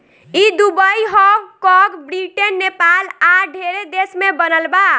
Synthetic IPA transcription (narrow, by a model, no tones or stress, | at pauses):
id̪ubəiɦɔwkɔɡbɾiʈenːepalaɖʱeɾed̪esmebənəlba